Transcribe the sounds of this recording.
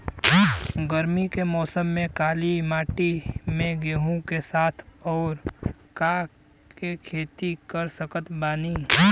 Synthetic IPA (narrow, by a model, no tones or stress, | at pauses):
ɡəɾmikemɔːsəmːẽkaːlimaːʈimẽɡeːɦõkesaːt̪ʰɔːɾ | ka | kekʰeːt̪ikəɾsəkət̪baːni